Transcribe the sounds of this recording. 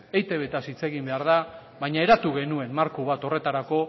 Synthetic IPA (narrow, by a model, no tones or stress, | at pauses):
ejt̪e̞βe̞t̪asit͡se̞ɣimbe̞aɾða | βajɲae̞ɾat̪uɣe̞nue̞nmaɾkuβat̪o̞re̞t̪aɾako̞